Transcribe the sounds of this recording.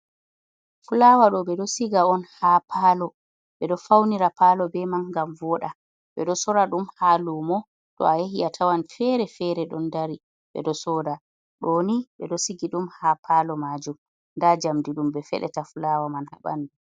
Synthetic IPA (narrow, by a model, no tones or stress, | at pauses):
fulawaɗɔɓɛɗɔsiɡaɔnhapʰaːlɔ | ɓɛɗɔfawniɾapalɔbɛmanɡamvɔɗa | ɓɛɗɔsɔɾaɗumhalumɔ | ɗɔ̰ajeɦiatʰawanfɛɾɛfɛɾɛɗɔndaɾi | ɓɛ̰ɗɔsɔda | ɗoniɓɛɗɔsiɡiɗumhapʰalɔmaːd͡ʒum | ndad͡ʒamdiɗumbɛfɛ̰ɗɛ̰tafulawamanha̰ɓa̰ndu